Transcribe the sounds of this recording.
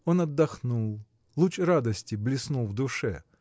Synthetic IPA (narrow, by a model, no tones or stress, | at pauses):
onɐd̪ːɐxnulˠ | lˠut͡ʃrad̪ɐsʲtʲɪblʲɪsnulˠvd̪ʊʂɛ̰